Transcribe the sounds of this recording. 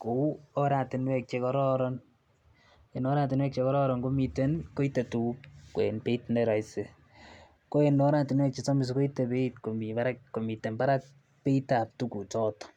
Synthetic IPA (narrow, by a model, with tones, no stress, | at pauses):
ko˨u˦oɾa˨ti˨nwɛ˦k̚t͡ʃe˧kɔ˦ɾɔɾɔn | e˨no˦ɾaː˦t̬i˨nwɛ˦k̚t͡ʃe˧kɔ˦ɾɔ˦ɾɔ˨nko˦mi˧te˦nko˦i˦te˨tu˨ko̰˨e˨npe˦itneɾɔ˨jse˨ | ko˦e˨no˦ɾa˦tɪ˨nwɛ˦k̚t͡ʃesɔ˦mɪ˨s̬ko˦ite˨pe˦it̚ko˨mi˨ba˦ɾa˦kko˨mi˨te˨npa˦ɾa˦k̚ | pe˦ita˨p̚tu˦ku˨t͡ʃɔ˦t